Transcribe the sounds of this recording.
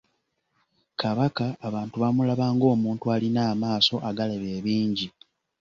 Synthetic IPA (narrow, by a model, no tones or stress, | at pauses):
kaβakaːβaːntuβamulaβaːŋɡo̞ːmuːntualinaːmaːso̞ʔaɡaleβe̞ːβiːɲɟi